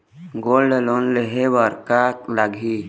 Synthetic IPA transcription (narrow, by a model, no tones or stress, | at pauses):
ɡoːlɖəlonleɦebəɾkaklaɡʱi